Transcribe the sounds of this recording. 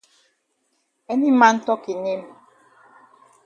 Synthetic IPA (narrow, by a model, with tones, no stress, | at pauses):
ɛ˦ni˦ma˦n̩˦tɔ˦ki˨ne˦m˨